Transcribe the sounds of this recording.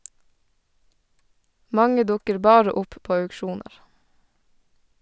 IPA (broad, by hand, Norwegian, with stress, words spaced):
ˈmɑŋə ˈdʊkəɾ ˈbɑːɾə ˈʊp ˈpoː œʉkˈʃuːnəɾ